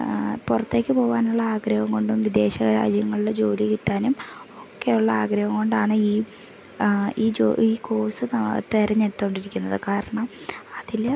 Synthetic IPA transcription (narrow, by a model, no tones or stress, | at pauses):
purɐt̪ːe̞ːkːɨpo̞ːʋaːnuɭːɐaːɡɾɐʋɐmko̞ɳɖumʋid̪e̞ːɕɐɣɐɾa̰ːd͡ʑjɐŋːɐɭuɽed͡ʑo̞ːlikiʈːaːnumo̞kːeuɭːɐaːɡɾɐʋɐŋɡo̞ɳɖaːɳɨiː | iːd͡ʑo̰iːkʰo̞ːsɨnt̪eɾɐɲːeɽut̪ːuko̞ɳɖiɾikʲːunːɐðɨkaːɾɐɳɐmɐðil